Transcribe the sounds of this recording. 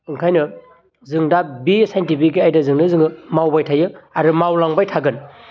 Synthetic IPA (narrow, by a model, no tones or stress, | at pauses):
ɯŋkʰajnɯ | zɯŋdabisajntipʰikːiajdɐzɯŋnɯzɯŋɯmawbajtʰajɯaɾɯmawlaŋbajtʰaɡɯn